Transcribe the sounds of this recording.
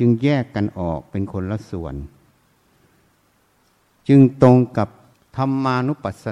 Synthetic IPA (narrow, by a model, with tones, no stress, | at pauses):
ɯ˧ŋjɛː˥˩kːa˨nʔɔː˨˩k̚pe˨nkʰo˧nla˧su˨˩ən | t͡ɕɯ˧ŋt̪o˧ŋka˨˧˩p̚ | t̪ʰa˧mːaː˧nu˦˥pa˨˩t̪̚sa˧